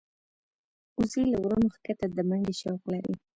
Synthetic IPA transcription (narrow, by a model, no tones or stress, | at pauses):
uzilawɾunoxkat̪ad̪əmaŋɡeʃawqlaɾḭ